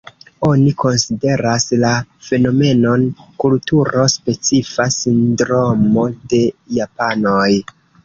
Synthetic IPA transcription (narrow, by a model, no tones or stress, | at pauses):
o̞niko̞nside̞ɾaslafe̞no̞me̞no̞nkultuɾo̞spe̞t͡sifasindɾo̞mo̞de̞japano̞j